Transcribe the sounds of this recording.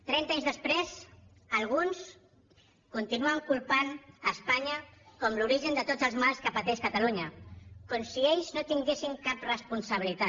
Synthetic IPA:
t̪ɾɛnt̪aɲzðəspɾez | əlˠɣ̞uns | kunt̪inuəŋkulˠpanəspaɲəkɔmluɾiʒənd̪ət̪od͡zəlˠzmalˠskəpət̪ɛʃkət̪əluɲəkɔmsieʎznot̪iŋɡesiŋkaprəspunsəβilit̪a

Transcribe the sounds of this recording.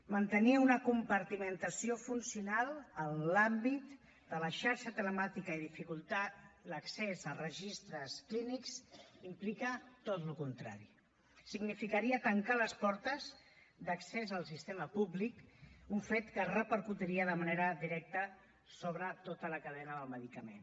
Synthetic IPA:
mənt̪əniunəkumpəɾt̪imənt̪əsiofunsiunalˠənːambit̪ | d̪ələʃaɾʃət̪ələmat̪ikəiðifikulˠt̪aləksezərəʒist̪ɾəskliniksimplikət̪ot̪lukunt̪ɾa̰ɾi | siɡnifikəɾiət̪əŋkaləspɔɾt̪əz | d̪əksezəlˠsist̪eməpublikuɱfet̪kərəpəɾkut̪iɾiəðəməneɾəðiɾɛk̚t̪ə | soβɾət̪ot̪ələkəðɛnəðəlˠməðikəmḛn

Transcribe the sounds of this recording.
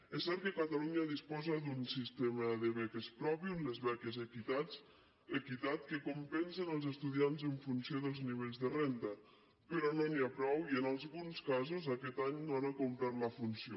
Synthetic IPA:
ɛsɛɾt̪̚kəkat̪aluɲaðispɔzad̪unsist̪eməðəβɛkespɾɔpiunləzβɛkezekit̪at͡s | ekit̪at̪kəkumpɛnsenəlˠzəst̪uðianzəɱfunsioðəlˠzniβ̞eʎzðərent̪ə | pəɾɔnoniapɾɔwiənalˠzɣunskazozakɛt̪aɲnoanakumpɾat̪ləfunsio

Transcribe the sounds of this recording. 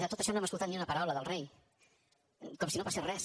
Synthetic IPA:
ðət̪ot̪əʃɔnoɛmskulˠt̪at̪niunəpəɾawləðəlˠrej | kɔmsinopaserɛs

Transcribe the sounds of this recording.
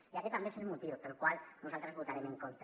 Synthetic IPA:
jaket̪ambeselmut̪iot̪elkwalnusalt̪ɾezβut̪aɾemeŋkont̪

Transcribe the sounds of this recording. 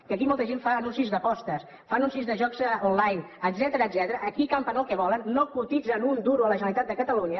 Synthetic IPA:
kəkimɔlˠt̪əʒeɱfaːnunsizðəpɔst̪əs | faənunsizðəʒɔkzəonlajn | əd̪zɛt̪əɾəːd̪zɛt̪əɾəʔːkikampənəlˠkɛβɔlənːokut̪id͡zənund̪uɾuələʒənəlit̪at̪̚d̪əkət̪əluɲə

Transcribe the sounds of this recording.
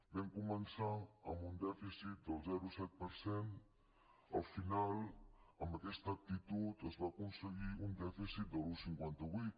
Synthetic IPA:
bɛŋkumənsaəmbund̪ɛfisit̪̚d̪əlˠzɛɾusɛt̪̚pəɾsɛn | əlfinalˠəmbəkɛst̪əːk̚t̪it̪ut̪əzβakunsəɣiund̪ɛfisit̪̚d̪əlˠusiŋkwɛnt̪əβwijt̪

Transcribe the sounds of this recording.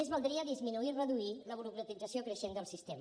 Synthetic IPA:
ezβəlˠd̪ɾiəðizminuirəðuiləβuɾukɾət̪idd͡zəsiokɾəʃend̪əlˠsist̪em

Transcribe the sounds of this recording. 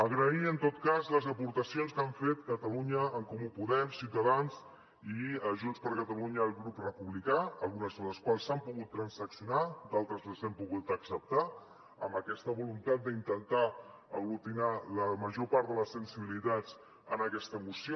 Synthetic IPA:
əɣɾəiənt̪ot̪kazləzəpuɾt̪əsionskaɱfet̪kət̪əluɲəːŋkumupuðɛɾsiwt̪əðanz | iəʒunspəɾkət̪əluɲəːlˠɣɾuprəpuβlikaəlˠɣunəzðələskwalˠsampuɣut̪ːɾənsəksiunad̪alˠt̪ɾəzləzɛmpuɣut̪əksəp̚t̪a | əmbəkɛst̪əβulunt̪at̪̚d̪əint̪ənt̪a | əɣlut̪inaləməʒopaɾt̪ələsənsiβilit̪at͡s | ənəkɛst̪əmusio

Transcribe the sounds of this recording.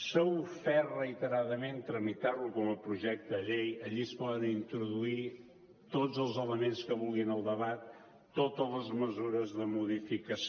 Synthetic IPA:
sowfɛrəit̪əɾaðəment̪ɾəmit̪aɾlukɔməpɾuʒɛk̚t̪əʎejəʎispɔðənint̪ɾuðui | t̪ozəlˠzələmenskəβulˠɣinəlˠd̪əβat̪ː | ot̪ələzməzuɾəzðəmuðifikəs

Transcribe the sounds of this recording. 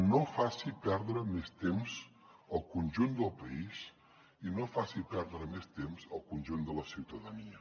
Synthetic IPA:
nofasipɛɾðɾəmest̪emz | əlˠkunʲʒund̪əlˠpəis | inofasipɛɾðɾəmest̪emzəlˠkunʲʒund̪ələsiwt̪əðəniə

